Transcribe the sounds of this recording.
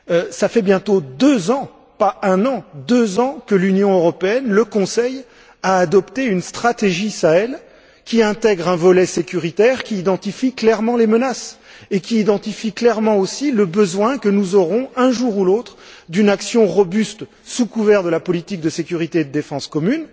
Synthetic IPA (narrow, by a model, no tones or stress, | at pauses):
safɛbjɛ̃t̪od̪øzɑ̃ | paɛ̃nɑ̃d̪øzɑ̃kəlynjɔ̃øʁɔpeɛnləkɔ̃sɛj | aːd̪ɔpt̪eynst̪χat̪eʒisaɛl | kʲiɛ̃t̪ɛɡʁɛ̃vɔlɛsekʲyʁit̪ɛʁkʲiːd̪ɑ̃t̪ifiklɛʁmɑ̃lemənasekʲiːd̪ɑ̃t̪ifiklɛʁmɑ̃osiləbəzwɛ̃kənuzɔʁɔ̃ɛ̃ʒuʁulot̪χd̪ynaksjɔ̃ʁɔbyst̪ | sukuvɛʁd̪əlapɔlit̪ik̚d̪əsekʲyʁit̪ed̪əd̪efɑ̃skɔmyn